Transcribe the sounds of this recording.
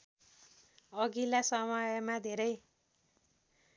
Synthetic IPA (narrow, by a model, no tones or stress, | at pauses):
ʌɡilasʌmʌjʌmad̪ʱeɾʌj